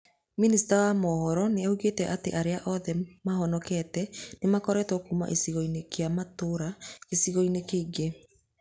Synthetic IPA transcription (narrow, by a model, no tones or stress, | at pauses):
minisi̥tawamɔhɔɾɔneauɣetɛʔateʔaɾeaʔɔðɛmaɦɔnɔkɛtɛnemakɔɾɛtɔkuma̰ʔesiɣɔinekeamatoɾakesiɣɔinekeːɡe